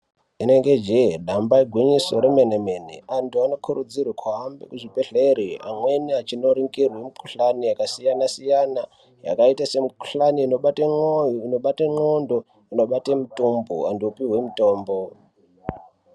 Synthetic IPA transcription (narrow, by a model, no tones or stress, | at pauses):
ine̞ŋɡed͡ʒeɗambaiɡʱwiɲiso̞ɾemenemenḛantʰuano̞kʰuɾud͡zirwakʰwaɦambḛkuʐipeɬeɾia̰mwe̞niat͡ʃino̞ɾiŋɡirwemikuɬanijakasijanasijana | ja̰kaitase̞miku̥ɬaniːnoɓateojinoɓateŋ͡ǃondo | ino̞ɓatemutumbṵandiupiɦwemuto̞ːmbo